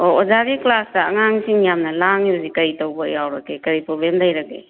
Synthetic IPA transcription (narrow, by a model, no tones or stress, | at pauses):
oozaɾiklasdɐɐŋaŋsiŋjamnɐlaŋjusikɐɾitowbɐjawɾɐkːekɐɾipɾoblemdajɾɐkḛ